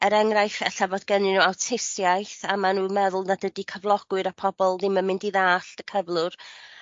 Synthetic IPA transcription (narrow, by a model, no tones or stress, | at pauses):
əɾɛŋrajθɛɬavoːdɡənɪnuawtʰɪsjajθamanuːmɛðʊlˠnadədikʰəvlˠɔɡ̥wɨɾapʰɔbɔlˠðɪməmɪndiðaːɬdəkʰəvlˠʊr